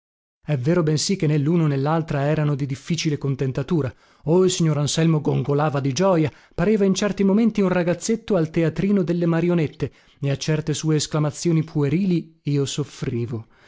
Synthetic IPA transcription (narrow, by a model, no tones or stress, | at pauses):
ɛvːeːɾobɛnsikːenːelːuːnonelːalt̪ɾaɛːɾanod̪id̪ifːiːt͡ʃilekont̪ent̪at̪uːɾa | oilsiɲːoɾansɛlmoɡoŋɡolaːvad̪id͡ʒɔːja | paɾeːvaint͡ʃɛrt̪imoment̪iunraɡat̪sːet̪ːoalt̪eat̪ɾiːnod̪elːemaɾjonet̪ːe | eat͡ʃːɛrt̪esuːeːsklamat̪sːjoːnipʰueɾiːliiːosofɾiːvo